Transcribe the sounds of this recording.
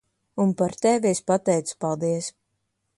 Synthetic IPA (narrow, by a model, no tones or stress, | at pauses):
unpaɾt̪ɛviispat̪ɛjt̪su̥palˠd̪iɛs